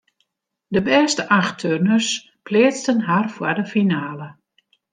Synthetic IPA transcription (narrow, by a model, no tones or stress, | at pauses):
dəbɛːstəʔaxtʰørnərs | plɪːt͡stənɦarfwədəfinaːlə